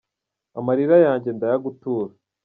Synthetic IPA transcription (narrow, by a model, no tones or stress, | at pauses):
amaɾiɾajaːɲɟe̞ndajaɡutuːɾa